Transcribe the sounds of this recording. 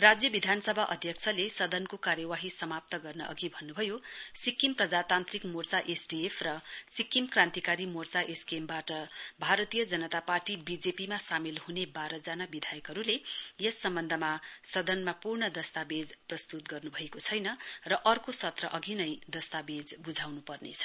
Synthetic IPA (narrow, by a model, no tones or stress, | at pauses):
rad͡zjʌbid̪ʱanʌsʌbʱaʔʌd̪ʱjʌk̚t͡sʰʌlesʌd̪ʱʌnkokaɾjʌwaɦisʌmap̚t̪ʌɡʌrnʌʔʌ̰ɡibʱʌnːubʱʌjosikːimprʌd͡zat̪ant̪rikmort͡saʔesɖiepʰrʌsikːimkrãnt̪ikaɾimort͡saʔeskembaʈʌbʱaɾʌt̪ijʌd͡zʌnʌt̪aparʈibid͡zepimasamilhunebaɾʌd͡zanabid̪ʱajʌkʌɾulejʌsːʌmbʌnd̪ʱʌmasʌd̪ʱʌnmapurɳʌd̪ʌst̪abed͡zprʌst̪ut̪ɡʌrnubʱʌekot͡sʰʌjnʌrʌʔʌrkosʌt̪rʌʔʌɡinʌjd̪ʌst̪abed͡zbud͡zʱawnupʌrnḛt͡sʰʌ̥